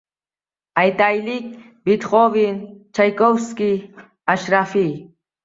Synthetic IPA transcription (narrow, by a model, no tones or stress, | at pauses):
ajt̪ajlik̚ | bɪt̪χovint͡ʃajkofski | aʃɾafi